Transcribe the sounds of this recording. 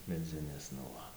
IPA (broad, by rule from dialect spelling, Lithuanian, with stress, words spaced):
mʲɛˈd͡zʲɪnʲeːs nʊ ˈʋɐ